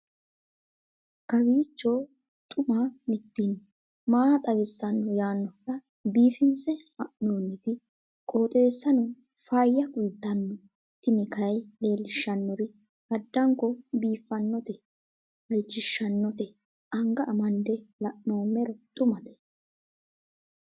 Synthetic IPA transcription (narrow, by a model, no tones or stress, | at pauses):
kɐbiːt͡ʃːo̞ː | t̪ʼʊmamɪt̪ːin | maːt̪ʼɐβɪsːɐnːɔjaːnːɔɐ | biːfɪnsɛɐʔnoːnːɪt̪ɪ | kʼo̞ːt̪ʼe̞ːsːɐnʊ | faːjːɐkʼʊjt̪ːɐnːɔ | t̪ːɪnɛkɐjle̞ːlːɪʃːɐnːɔɾɪ | ɐd̪ːɐŋkɔbiːfːɐnːɔt̪ɛ | ɐlt͡ʃːɪʃːɐnːɔt̪ɛ | ʔɐŋɡɐʔːmɐnd̪ɛlɐʔnoːmɛɾɔt̪ʼʊmɐt̪ɛ̥